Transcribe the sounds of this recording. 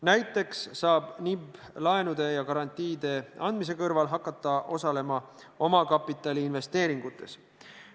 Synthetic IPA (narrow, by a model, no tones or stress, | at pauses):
næjt̪ːˑe̞ksːɑːb̥nimb | lɑenud̪̥e̞jɑkɑɾɑnt̪ːˑiːd̪̥e̞ɑ̰nd̪̥mis̬e̞kɤrvɑlɦɑkːˑɑt̪ːˑɑo̞sɑle̞mɑ | o̞mɑkɑpːˑit̪ːˑɑlʲiːnve̞st̪e̞ːɾiŋɡ̥ut̪ːˑe̞s